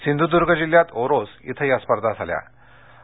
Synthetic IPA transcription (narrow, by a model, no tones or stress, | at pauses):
sind̪ud̪uɾɡəd͡ʑiljat̪oɾosḭt̪ʰəjəspəɾd̪ʱad͡zʱalja̰